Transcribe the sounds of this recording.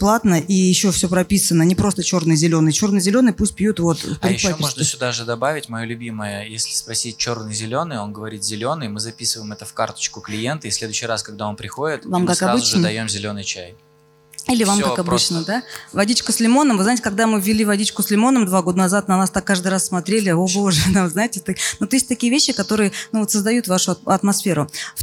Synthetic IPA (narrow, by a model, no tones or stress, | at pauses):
plˠat̪nəʔijɪɕːofsʲopɾɐpʲisənənʲɪpɾo̞st̪ət͡ɕo̞rnɨjzʲɪlʲo̞nɨjt͡ɕo̞rnɨjzʲɪlʲo̞nɨjpusʲt̚ʲpʲjut̪vo̞t̪pɾɪjɪlamoʐnəsʲod̪aʐɨd̪ɐbavʲɪtʲmɐjolʲʉbʲiməjəjesʲlʲɪspɐsʲit̚ʲt͡ɕo̞rnɨjzʲɪlʲo̞nɨjo̞nɡəvɐɾʲit̪zʲɪlʲo̞nɨjmɨzɐpʲisɨvəjmɛt̪əfka̰rt̪ə̥t͡ɕkʊklʲɪje̞nt̪əisʲlʲe̞d̪ʊɕːɪjraskɐɡ̚d̪ao̞npɾʲɪxo̞dʲɪt̪vamkaskaɾbɨzʊt͡ɕʐɨnəd̪ɐjomzʲɪlʲo̞nɨjt͡ɕæj | ilʲɪvamkakɐbɨt͡ɕnəd̪avɐdʲitʲkʊsʲlʲɪmo̞nəmvɨzaɪtʲɪkɐɡ̚d̪amɨvʲːɪlʲivɐdʲit͡ɕkʊslʲɪmo̞nəmd̪vaɡo̞d̪ənɐzat̪̚nɐnast̪akːaʐd̪ɨɾassːmɐt̪ɾʲelʲɪobo̞ʐɨt̪amznaɪtʲɪt̪onot̪jesʲtʲt̪ɐkʲijəvʲeɕːɪkɐt̪o̞ɾɨjənuvo̞t̪səzd̪ɐjut̪vaʂʊɐɐt̪mɐsfʲe̞ɾʊf